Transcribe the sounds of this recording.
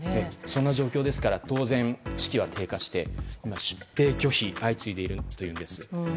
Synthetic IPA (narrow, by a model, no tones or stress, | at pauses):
esõnːaʑo̞ːkʲo̞ːd̪e̞sɨ̥kaɾat̪o̞ːzẽ̞ɴ̃ɕi̥kʲiβ̞at̪ʰe̞ːkaɕi̥t̪e̞imaɕɨ̥pːe̞ːkʲo̞çiʔait͡sɨid̪e̞iɾɯ̟t̪o̞jɯ̟ːnd̪e̞sɨ̥